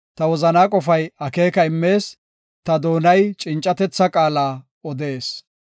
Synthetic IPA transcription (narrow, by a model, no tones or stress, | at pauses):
t̪ɐwɔzɐnaːkʼɔfɐjɐke̞ːkɐɪmːe̞ːs | t̪ɐd̪o̞ːnɐjt͡ʃʼɪnt͡ʃʼːɐt̪ɛt͡sːɐkʼaːlaː | ɔd̪e̞ːs